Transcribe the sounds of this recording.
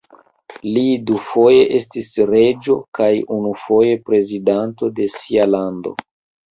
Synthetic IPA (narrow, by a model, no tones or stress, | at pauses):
lidufo̞je̞ʔe̞stisɾe̞d͡ʒo̞kajunufo̞je̞pɾe̞zidanto̞de̞sialando̞̰